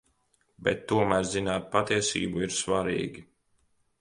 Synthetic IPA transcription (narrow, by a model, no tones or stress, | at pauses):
bɛt̪ːuɔmæːɾzzinaːt̪̚pat̪iɛsḭːbuiɾsvaɾḭːɡʲi